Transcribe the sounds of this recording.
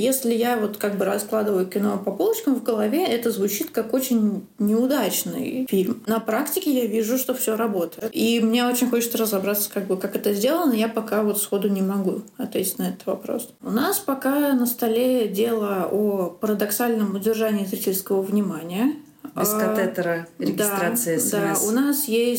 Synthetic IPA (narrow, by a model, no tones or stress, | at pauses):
jesʲlʲɪjavo̞t̪kaɡ̚bɨɾɐsklˠad̪ɨvəjʊkʲɪno̞pɐpolˠət͡ɕkəmvɡəlˠɐvʲeɛt̪əzvʊt͡ɕit̪kako̞t͡ɕɪnʲnʲɪʊd̪at͡ɕnɨ̰jfʲilʲmnɐpɾaktʲɪkʲɪjavʲiʐʊʂt̪o̞fsʲo̞ɾɐbo̞t̪əjɪt̪imnʲeo̞t͡ɕɪnʲxo̞t͡ɕɪt̪səɾəzɐbɾat̪sːə̥kaɡ̚bɨkakɛt̪əzʲdʲe̞lˠənəjapɐkavo̞t̪sxo̞d̪ʊnʲɪmɐɡuɐt̪vʲetʲɪ̥tʲnɐɛt̪ə̥t̪vɐpɾo̞̰sʊnaspɐkanəst̪ɐlʲedʲe̞lˠəopəɾəd̪ɐksalʲnəmʊdʲɪrʐanʲɪːzɾitʲɪlʲskəvəvnʲɪmanʲɪjə | ɪskɐɛt̪əɾəɾʲɪɡd̪ɪsaɾat̪sɨɪsdd̪aʊnasjesʲ